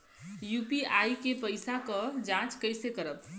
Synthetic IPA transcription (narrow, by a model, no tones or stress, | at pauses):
jupiajkepəjsakəd͡ʒãt͡ʃkəjsekəɾəp